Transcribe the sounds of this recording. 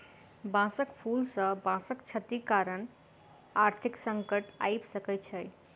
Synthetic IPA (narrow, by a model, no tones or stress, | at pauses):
bãsəkpʰulsə̃bãsəkt͡ʃʰət̪ikaɾən | aɾt̪ʰiksə̃ŋkəʈa̰jbsəkɛt͡ʃʰəj